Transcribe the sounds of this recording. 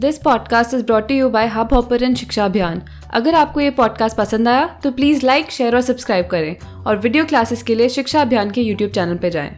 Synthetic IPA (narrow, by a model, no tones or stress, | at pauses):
d̪ɪspɔːɖkaːsʈɪzbɾɔːʈːujubaːɪɦabʱɔːpəɾə̃nʃɪkʃaɐbʱjaːn | ɐ̰ɡəɾaːp̚kojepɔːɖkaːsʈ̚pɐsə̃nd̪aːjat̪opliːzlaɪkʃeːəɾɔːɾsɐbskɾaːɪb̚kɐɾẽː | ɔːɾʋɪɖioːklaːsɪskelieʃɪkʃaɐbʱjaːnkejuːʈjuːb̚t͡ʃɛːnəlped͡ʒa̰ːḛ̃ː